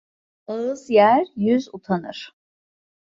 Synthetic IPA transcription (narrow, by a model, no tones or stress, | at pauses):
ɯzjæɾjyzut̪ʰanɯ̰ɾ̥